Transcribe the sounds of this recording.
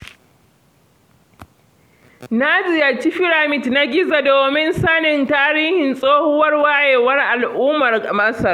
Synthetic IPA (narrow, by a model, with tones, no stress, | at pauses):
na˦d͡ʒɪ˨ja˨t͡ʃi˦ɸɪ˦ɾa˨mɪ˨tna˦ɡʲɪ˦za˨doː˨mɪ˦nsa˦nɪ˨ntaː˦ɾiː˦hɪ˨nsʼoː˦hʊ˦wɐ˦rwa˦jeː˨wɐ˦rʔa˨lʔuː˦mɐ˨rmɐ˦sɐ˨r